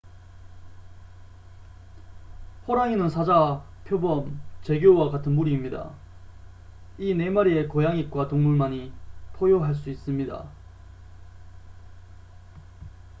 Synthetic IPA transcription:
ɸoɾaŋinɯnsʰad͡ʑa | pʰjobʌmt͡ɕe̞ɡjowakatʰɯnmuɾiːmɲida̰ | ine̞maɾie̞kojaŋik̚k͈watoŋmuɭmaɲipʰojoɦaɭs͈uis͈ɯmɲida̰

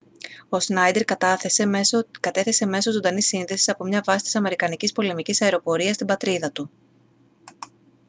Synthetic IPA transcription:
o̞snɐjd̪e̞ɾesekɐt̪e̞θe̞se̞me̞sozo̞nd̪ɐnisːinðe̞si̥sɐpo̞mɲɐvɐsi̥t̪isɐme̞ɾikɐnicispo̞le̞micisɐeɾo̞po̞ɾiɐst̪ibɐt̪ɾiðɐt̪u

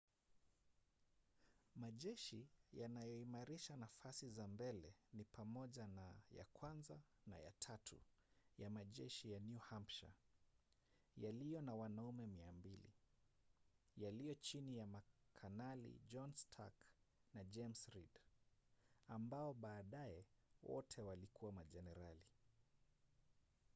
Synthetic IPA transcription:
maʄɛʃijanajɔimaɾiʃanafasizambɛlɛnipʰamɔʄanaja̰kwanzana̰ja̰tʰatʰṵjamaʄɛ̰ʃijanjuhampʃa̰ | jalijɔnawanaumɛmiambilḭ | jalijɔt͡ʃinijamakʰanalḭd͡ʒɔnstʰa̰knad͡ʒɛmsɾid | ambaɔɓaːɗajɛwɔ̰tʰɛwalikʰuwamaʄɛnɛɾali

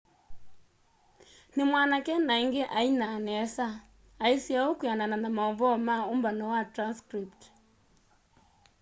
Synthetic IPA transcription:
nimwanakɛnaiŋɡɛʔainanɛsa | aisiaukujanananamaɔβɔmaumbanɔwatɾanskɾipt

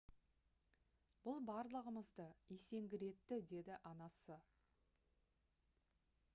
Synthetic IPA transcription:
bʊlˠbɑɾlˠəʁəməzd̪əje̞se̞ŋɡʲɪɾe̞t̪ːɪd̪e̞d̪ɪʔɑnɑsə

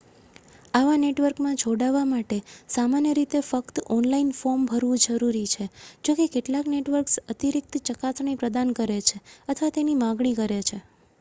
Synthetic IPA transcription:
aʋaneʈʋəɾkmãd͡ʒʱoɽaʋamaʈesamanjəɾit̪efəkt̪ɔnlainfoɾmbʱəɾʋũd͡ʒəɾuɾit͡ʃʰed͡ʒokekeʈlakneʈʋəɾksət̪iɾik̚t̪t͡ʃəkasɳ̃ipɾəd̪ankəɾet͡ʃʰeət̪ʰʋat̪enimãɡɳikəɾet͡ʃʰe

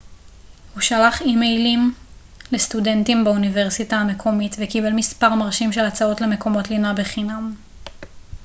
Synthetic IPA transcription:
huʃalaχimejlim | lestude̞ntimbaunive̞ʁsitaːme̞kʰo̞mitvekibe̞lmispaʁmaʁʃimʃe̞lat͡sao̞tle̞me̞ko̞mo̞tlinabeχinam

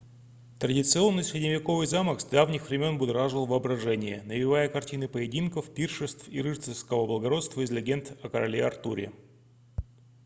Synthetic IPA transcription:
t̪ɾədʲɪt̪sɨo̞nːɨjsʲɾʲɪdʲnʲɪvʲɪko̞vɨjzaməksd̪avnʲɪxvɾʲɪmʲo̞nbʊd̪ɾaʐɨlˠvɨɐbɾɐʐɛnʲɪjənəvʲɪvajəkɐrtʲinɨpəjɪdʲinkəfpʲirʂɨst̪fiɾɨʂt̪sɨfskəvəblˠəɡɐɾo̞t̪st̪vəɪzʲlʲɪɡʲe̞nt̪ɐkəɾɐlʲeɐrt̪uɾʲɪ̰

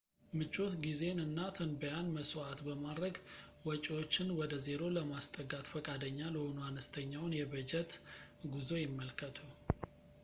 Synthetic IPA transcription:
mɨt͡ʃʼːo̞t̪ɡize̞nɨnːat̪ʰənbəjanməsoat̪bəmad̪ɾəɡ | wɔt͡ʃʼiwo̞t͡ʃːɪnwɔd̪əze̞ɾo̞ləmast̪ʼəɡat̪fəkʼad̪əɲːaləhonuanəst̪ʰəɲːawʊnjɛbəd͡ʒɛt̪ɡuzo̞jɪmːəlkʰət̪ʰu

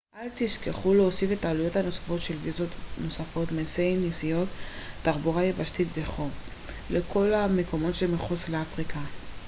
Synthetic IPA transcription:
ʔalt̪iʃkeχuleosife̞taːlujo̞thano̞sḁfo̞tʃe̞lvizo̞t̪no̞safo̞t̪masejnisijo̞t̪ːaʁbuʁajebaʃtitveχo̞m | lekʰo̞lamekʰo̞mo̞tʃemiχut͡sleafʁikʰa

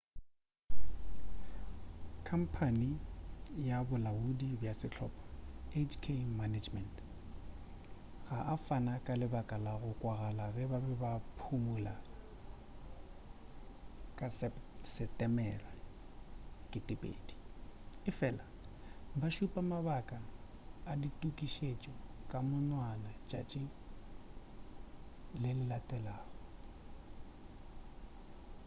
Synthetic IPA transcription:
kʰam̩pʰani | jabʊlaudibjasɪt͡ɬʰɔ̰ːpʼḁet͡ʃkʰemanad͡ʒmɛnt | ɣaʔafanakʼalɪbakʼalaɣʊkʼwaɣalaɣɛbabɛbapʰumula | kʼassɛptʼɛmɛra | kʼɪtʼɪpʼḛːdi̥ɪfɛːlabaʃupʼamaβakʼaː | ditʼukʼiʃet͡ʃʼɔkʼamʊnwanat͡ʃʼa̰t͡ʃʼɪ | lɪlɪlatʼɛlaːɣɔ

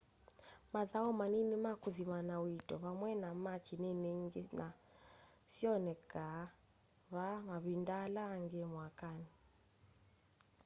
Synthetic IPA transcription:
maðaɔmaninimakuðimanawitʼɔβamwɛnamat͡ʃinɛnɛŋɡɛna | siɔnɛka | βamaβindalaŋɡɛmwakani

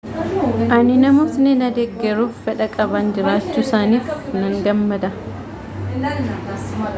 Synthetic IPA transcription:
ʔɐnɪnɐmoːt̪nɛnɐd̪ɛɡːɛɾuːfːɛᶑɐkʼɐband͡ʒɪɾaːt͡ʃːuːsaːniːfnɐŋɡɐmːɐd̪ɐ

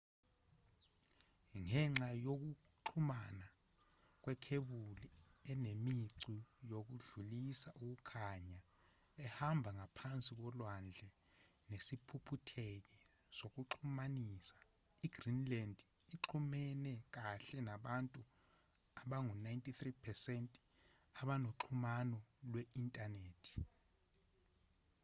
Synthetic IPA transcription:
ŋɛŋ͡ǁajok̬u | ǁʰumana | k̬wɛkʰeɓuliɛnemiǀijok̬uɮulisaʔuk̬ukʰaɲa | ɛhambʱaŋapʰant͡sʼik̬ɔlwand͡ɮʱɛ | nesipʰupʰutʰek̬i | sok̬uǁʰumaniːsḁ | iɡ̥rinlɛndʱ | iǁʰumɛnɛk̬aɬɛnaɓantʼu | aɓaŋunajntʼiθripʰɛsɛntʼ | aɓanoǁʰumanɔlwɛintʼaneːtʰi̥

